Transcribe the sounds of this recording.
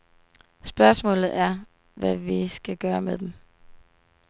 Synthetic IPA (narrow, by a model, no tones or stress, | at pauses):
sb̥ɶɐsmɔ̰̽ːlð̩ˠæɐ | ʋæʋisɡ̥æɡ̥ɶːɐmed̥em